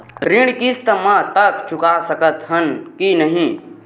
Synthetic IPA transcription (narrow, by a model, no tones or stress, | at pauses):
ɾɪ̃ɽkist̪əmãt̪əkt͡ʃʰʊkasəkət̪ɦənkinəɦĩ